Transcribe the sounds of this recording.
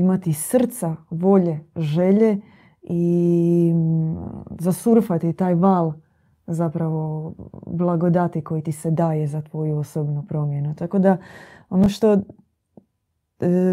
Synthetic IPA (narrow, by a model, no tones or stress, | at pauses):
imat̪isr̩t̪saʋo̞ʎe̞ʒe̞ʎe̞ | i | zasuɾfat̪it̪aːjʋaːlˠ | zapɾaʋo̞blˠaɡo̞d̪at̪iko̞jit̪ised̪aːje̞zat̪ʋo̞juosobnupɾo̞mje̞nut̪ako̞d̪ao̞noʃt̪o̞